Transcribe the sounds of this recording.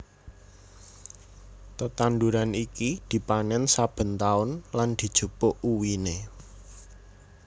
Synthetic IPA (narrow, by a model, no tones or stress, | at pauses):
t̪ət̪and̪uɾanikid̪̥i̤panɛnsab̥ə̤nt̪aʊnland̪̥i̤d̥ʒ̥ṳpʊʔuwine